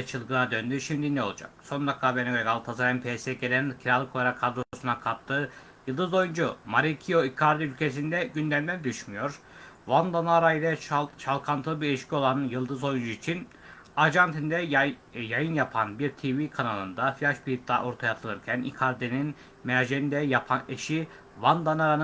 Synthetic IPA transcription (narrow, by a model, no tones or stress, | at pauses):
ɛt͡ʃʰɯlˠɡɯnad̪ønd̪yʃimd̪inɛo̞lˠud͡ʒa̰k̚so̞nd̪akʰaːbenɛɡeɡalˠt̪ʰazaɾɛmpʰesɛɟʲelʲæncʰiɾalˠɯkʰo̞lˠaɾakʰːad̪ɾo̞sunakʰat̚t̪ʰːɯ | jɯlˠd̪ɯzo̞jund͡ʒumaɾicʰijo̞ikʰaɾd̪eylʲcʰe̞sind̪ɛɟynd̪æmd̪ænd̪yʃmyjo̞ɾ | vand̪anaɾailʲɛʃalˠkʰant̪ʰɯlˠɯbiiʃcʲʰio̞lˠanjɯlˠd̪ɯzo̞jund͡ʒuit͡ʃʰin | ad͡ʒant̪ʰind̪ɛjajɯnjapʰanbiɾt̪ʰivikʰanalˠɯnd̪afilʲaʃbiit̪ʰːa̰ʔo̞ɾt̪ʰajat̪ʰɯlˠɯɾcʰænḭkʰaɾd̪enin | meaʒeɾind̪ɛjapʰaneʃi | vand̪anaɾanɯ